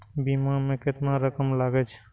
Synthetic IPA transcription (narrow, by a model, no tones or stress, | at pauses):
bimamẽket̪naɾəkəmlaɡɛt͡ʃʰ